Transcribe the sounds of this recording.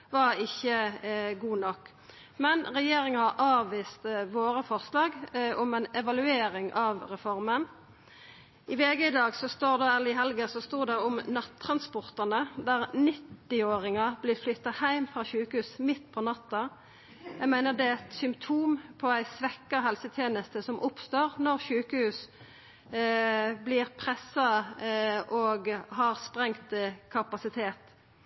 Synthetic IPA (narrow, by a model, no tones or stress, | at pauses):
ʋɑɾɪçːəɡuːnɔkː | mɛnʁɛjeːɾɪŋɑhɑɾʔɑːʋːiːst̪ʋoːɾəfɔʁslɑːɡɔmɛnɛʋɑlʉeːɾɪŋʔɑʋʁɛfɔɾmən | ɪʋeːɡəɪd̪ɑːɡsɔst̪oːʁd̪ɑːælɪɦɛlɡəsɔst̪uːd̪ɛʊmnɑt̪ʰːɾɑnspɔʁt̪ɑnəd̪æɾnɪt̪ːɪoːɾɪŋɑb̥lɪflʏt̪ːɑhæɪmfʁɑʃʉːkəhʉːsmɪt̪ːpʰɔnɑt̪ːɑ | jæɡmæɪnəd̪ɛɛt̪sʏmpt̪ʰuːmpʰɔæɪsʋɛkːɑɦɛlsət̪ʰjeːnəst̪əsɔmʔʊpst̪oːʁnɔʁʃʉːkəhʉːs | blɪʁpʰʁɛsːɑ | ʔoɡɦɑʁspʁɛŋt̪kʰɑpɑsɪt̪ʰeːt̪